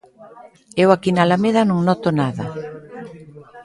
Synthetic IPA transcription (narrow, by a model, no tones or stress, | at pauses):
ewakinalameðanõŋnɔt̪onaða̰